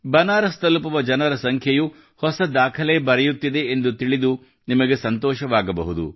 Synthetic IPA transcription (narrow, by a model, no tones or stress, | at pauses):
bɐnaːɾɐst̪ɐlupɐʋɐd͡ʒɐnɐɾɐsɐŋkʰjɐju | hɔsɐd̪aːkʰɐlebɐɾɛjut̪ːid̪e̞ːnd̪ut̪iɭid̪u | nimɐɡe̞sɐnt̪ɔːʃɐʋaːɡɐbɐ̰ɦud̪ṵ